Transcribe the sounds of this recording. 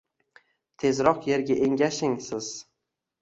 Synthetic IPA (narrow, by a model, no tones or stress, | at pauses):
t̪ʰe̞zɾɒqje̞ɾɡʲaʔeŋɡʲaʃɪŋsɪz̥